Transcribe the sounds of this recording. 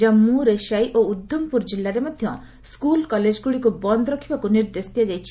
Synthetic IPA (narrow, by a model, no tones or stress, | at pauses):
amũɾeʃajʔoud̪ʱjɔmpuɾd͡ʒilːaɾemɔd̪ʱjɔ | skulkɔled͡ʒɡuɽikubɔnd̪ɾɔkʰibakuniɾd̪est̪ijad͡ʒajt͡ʃʰi̥